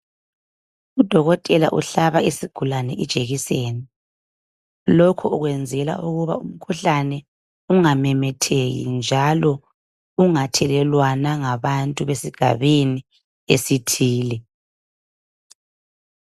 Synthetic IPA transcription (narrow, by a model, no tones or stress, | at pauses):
ud̥ʱɔɣɔtʼɛla̰ʔuɬaβaisiɡ̥ʱulanɛʔɛd̥ʒ̥ʱeɣiseːni | lɔkʰɔuɣwɛnd͡zʱɛla̰ʔuɣuβa̰um̩kʰuɬanɛ | uŋamɛmɛtʰeɣḭnd͡ʒʱalɔ | uŋatʰɛlɛlwanaŋaβantʼuβesiɡ̥ʱa̰βini | esitʰiːlɛ